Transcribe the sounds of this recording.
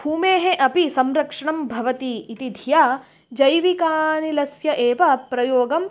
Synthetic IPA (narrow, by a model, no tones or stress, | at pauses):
bʱuːmeːɦeʔɐpisɐmɾɐkʂɐɳɐmbʱɐʋɐt̪iːt̪id̪ʱijaː | d͡ʒɐjʋikaːnilɐsjɐʔeːʋɐpɾɐjoːɡɐm